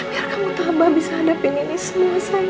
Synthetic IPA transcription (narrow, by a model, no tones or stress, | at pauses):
jarkamut̪abahbisahːdapininismusaj